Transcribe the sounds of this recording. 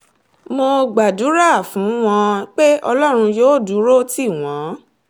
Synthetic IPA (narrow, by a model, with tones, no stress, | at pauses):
mo˧ɡ͡ba˨du˨˦ɾa˦˨fũ˨˦w̃ɔ̃˧k͡pe˦ɔ˧lɔ˦ɾ̃ũ˧joː˦˨du˨˦ɾo˦ti˦˨w̃ɔ̃˨˦